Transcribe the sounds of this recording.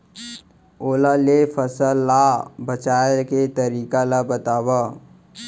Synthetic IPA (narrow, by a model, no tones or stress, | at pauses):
oːlalefʰəsəlːabət͡ʃaːket̪əɾiːkalabət̪aːwa